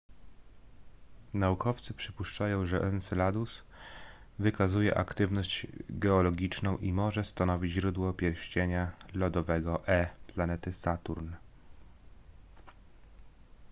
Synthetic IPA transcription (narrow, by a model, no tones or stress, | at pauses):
naukɔft̪sɘpʂɘpuʂt͡ʂajɔ̃w̃ʐɛʔɛnsɛlad̪us | vɘkazujɛ̰ʔakt̪ɘvnɔɕd͡ʑɡɛɔlɔɡʲit͡ʂnɔ̃w̃ʔimɔʐɛst̪anɔvʲid͡ʑʑɾud̪wɔpʲjɛɾɕt͡ɕeɲalɔd̪ɔvɛɡɔʔɛplanɛt̪ɘsat̪uɾn